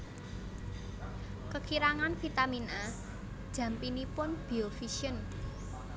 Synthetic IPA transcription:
kəkʰiɾaŋanfit̪amina | d̥ʒ̥ä̤mpinipʊnb̥iofiʃiən

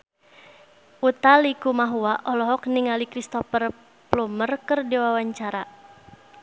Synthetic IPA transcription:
ʔut̪alikumaɦuaʔɔlɔɦɔk̚niŋalikɾist̪ɔfər | plumərkərdiwawaɲt͡ʃaɾa

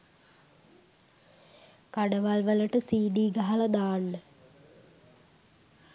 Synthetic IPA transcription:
kɐɖɐʋɐlʋɐlɐʈəsiːɖiːɡɐɦɐlɐd̪aːɳːə

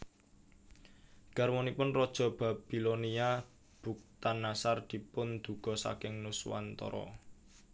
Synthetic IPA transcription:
ɡ̥armɔnipʊnrɔd̥ʒ̥ɔ̤b̥a̤b̥i̤lonia | b̥ṳk̚t̪anːasard̪̥i̤pʊnd̪̥ṳɡ̥ɔ̤sa̰kɪŋnuswa̰nt̪ɔ̰ɾɔ̰

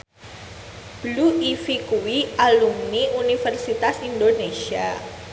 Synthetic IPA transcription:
b̥luifikuwiʔalumniunifərsit̪asindonesia

